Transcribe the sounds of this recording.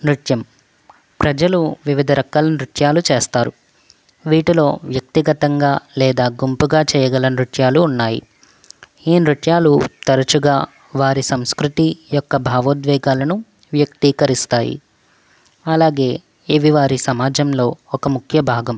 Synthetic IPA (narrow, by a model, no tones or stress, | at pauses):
nɾuʈjɐm | pɾɐd͡ʒɐluʋiʋid̪ʱɐɾɐkːɐlɐnɾuʈjaːlut͡ʃeːst̪aːɾu | ʋiːʈilo̞̰ːʋjɐk̚t̪iɡɐt̪ɐŋɡaːlɛːd̪aːɡumpuɡaːt͡ʃɛːjɐɡɐlɐnɾuʈjaːluːnːaːjḭ | iːnɾuʈjaːlut̪ɐɾɐt͡ʃuɡaː | ʋaːɾisɐmskɾut̪ijɔkːɐbʱaːʋɐd̪ʋɛːɡaːlɐnu | ʋjɐk̚t̪iːkɐɾist̪aːjḭ | ɐlaːɡe̞ː | eʋiʋaːɾisɐmaːd͡ʒɐmlo̞ːɔkɐmukʰjɐbʱaːɡɐm